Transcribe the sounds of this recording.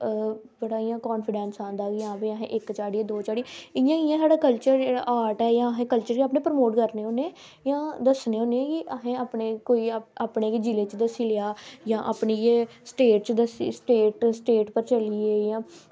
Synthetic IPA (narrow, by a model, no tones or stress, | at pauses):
bəɽaːijãːkɔːnpʰɪɖɛ̃ːnsãːnd̪aːɡɪjãːbiːəɦḛ̃ːʔɪkt͡ʃaːɽiẽd̪oːt͡ʃaːɽiɪjãːkɪjãːsaːɽaːkəlt͡ʃəɾd͡ʒeːɽaʔaːʈɛːjãːəɦẽːkəlt͡ʃəɾkːaːp̬nẽːpəɾmoːʈkəɾneːɦõːneː | jãːd̪əsneːõːneːkɪʔəɦẽːaːpneːkoːiːaːpneːkd͡ʒileːt͡ʃd̪əsiːleaːjãːʔaːpniːeːsʈeːʈ̚t͡ʃd̪əsisʈeːʈsʈeːʈpəɾt͡ʃəlieːjãː